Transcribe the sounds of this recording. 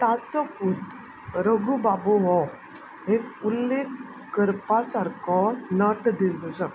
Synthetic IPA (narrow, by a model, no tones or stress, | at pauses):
t̪at͡sɔkut̪ | ɾəɡubabuɦɔ | ekulːekː | kəɾpasaɾkɔnəʈd̪ild̪usə